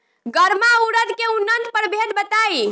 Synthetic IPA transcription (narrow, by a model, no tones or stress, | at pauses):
ɡəɾmauɾəd̪keunːənt̪pəɾbʱed̪̚bət̪ai